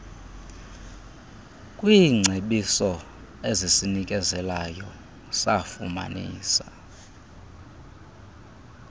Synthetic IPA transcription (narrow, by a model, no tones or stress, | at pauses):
kʼwiːŋ͡ǀʱeɓisɔ | ezisinikʼɛzɛlajɔ | safuma̰nḭːsḁ